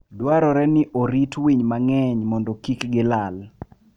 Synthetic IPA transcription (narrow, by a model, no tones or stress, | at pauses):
dwaɾɔɾɛnɪʔoɾitwiɲmaŋɛɲmɔndɔkikɡɪlal